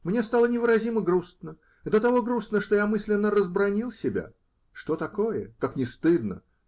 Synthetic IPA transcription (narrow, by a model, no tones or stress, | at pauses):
mnʲe̞st̪alˠənʲɪvɨɾɐzʲiməɡɾusnə | d̪ət̪ɐvo̞ɡɾusnəʂt̪o̞jamɨsʲlʲɪnːəɾəzbɾɐnʲilˠsʲɪbʲa̰ | ʂt̪ot̪ɐko̞jəkaknʲɪst̪ɨd̪nə